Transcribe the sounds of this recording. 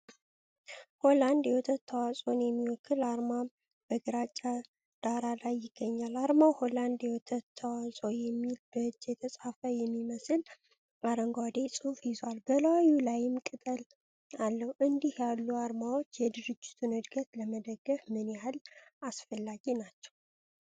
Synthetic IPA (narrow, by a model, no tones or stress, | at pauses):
ho̞land̪jɛwɔt̪ʰət̪ʰːəwasʼo̞njɛmːiwɔkʰːɨlaɾma | b̥əɡɨɾat͡ʃʼːa | d̪̥aɾalajːɪɡ̥ːəɲːalaɾmawholand̪jɛwɔt̪ʰət̪ʰːəwasʼojɛmːilbəɨd͡ʒːjɛt̪ʰəsʼafəjɛmːiməsɨl | aɾəŋɡʷad̪esʼɨhufjɪzwalbəlawajulajɪmkʼɨt̪ʼəl | alːəhwʔɨnd̪ihjalːuaɾmawo̞t͡ʃːjɛd̪ɨɾɨd͡ʒːɪ̥t̪ʰunɨd̪ɡət̪ləməd̪əɡːəfmɨnjahalasfəlːaɡinat͡ʃːɛw